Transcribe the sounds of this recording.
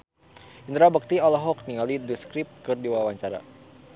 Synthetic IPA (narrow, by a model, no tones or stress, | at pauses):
ind̪ɾabək̚t̪iɔlɔɦɔk̚niŋalidəskɾip̚kərdiwawaɲt͡ʃaɾa̰